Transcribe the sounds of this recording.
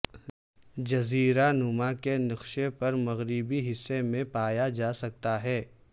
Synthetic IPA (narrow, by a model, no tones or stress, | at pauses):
d͡ʒɐziːɾanʊmakenɐqʃepɐɾmɐɣɾibiɦɪsːemẽpaːjad͡ʒaːsɐk̚t̪aɦɛː